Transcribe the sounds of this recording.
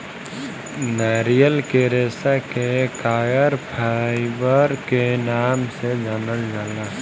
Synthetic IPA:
naːɾijəlkeɾeːsakekaːjəɾpʰaɪbəɾkenaːmsed͡ʒaːnəld͡ʒaːla

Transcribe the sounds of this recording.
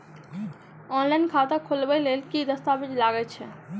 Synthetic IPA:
ɔnlainkʰat̪akʰolbɛlelkid̪əst̪abid͡ʒlaɡɛt͡ʃʰɛ

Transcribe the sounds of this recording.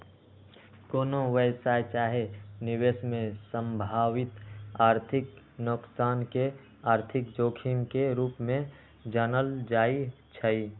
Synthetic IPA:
koːnoʋəjsaːjt͡ʃaːɦenɪweːsmẽsə̃mbʱaːwɪt̪aːɾt̪ʰɪk | nʊksaːnke | aːɾt̪ʰɪkd͡ʒoːkʰimkeɾuːpmẽ | d͡ʒənəld͡ʒaːi | t͡ʃʰəi

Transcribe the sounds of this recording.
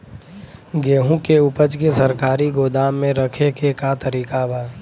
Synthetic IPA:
ɡeːɦũkeʊpət͡ʃkesɐɾkaːɾiɡoːd̪aːmːẽɾəkʰekekat̪əɾiːkabaː

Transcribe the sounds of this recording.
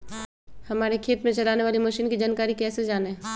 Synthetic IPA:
hɐmaːɾekʰeːt̪mẽt͡ʃɐlaːneʋaːlimɐʃiːnkid͡ʒaːnkaːɾikɛːsed͡ʒaːne

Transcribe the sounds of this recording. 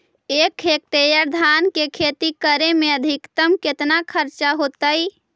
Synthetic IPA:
ekʰek̚ʈejəɾd̪ʱankekʰet̪ikəɾemeəd̪ʱikt̪əmket̪nakʰəɾt͡ʃaɦot̪əj

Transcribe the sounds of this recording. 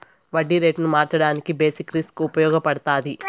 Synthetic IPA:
ʋɐɖːiɾeːʈnumaːɾt͡ʃɐɽaːnikibe̞ːsikɾiskuupɐjɔːɡɐpɐɽɐt̪aːd̪i

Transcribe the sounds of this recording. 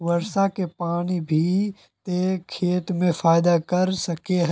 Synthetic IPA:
ʋɐɾʃakepaːñibʱi | t̪ekʰeːt̪mẽfaːɪd̪akɐɾsɐkeɦ

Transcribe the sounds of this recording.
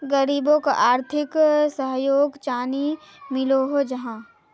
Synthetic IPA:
ɡəɾiːbõkaʔaːɾt̪ʰɪksəɦjoːɡt͡ʃaːni | mɪloɦod͡ʒɐɦãː

